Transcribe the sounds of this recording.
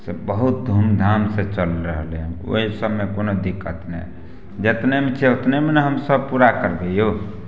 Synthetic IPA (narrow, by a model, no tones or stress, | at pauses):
sebəɦut̪̚d̪ʱumd̪ʱamset͡ʃəlɾəɦəlɦo̰ɦisəbmekonod̪ikət̪nḛ | d͡ʒet̪nemet͡ʃʰɛot̪nemeneɦəmsəbpuɾakəɾbejo